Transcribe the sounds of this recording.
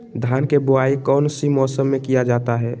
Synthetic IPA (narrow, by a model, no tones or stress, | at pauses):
d̪ʱaːnkebʊaːikɔːnsimɔːsəmːẽkijad͡ʒaːt̪aɦɛː